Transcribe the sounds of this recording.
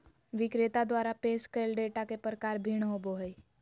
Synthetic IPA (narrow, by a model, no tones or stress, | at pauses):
ʋɪkɾet̪ad̪waːɾapeːskəlɖeːʈakepɾəkaːɾbʱiːɳ̃ɦoːboɦəi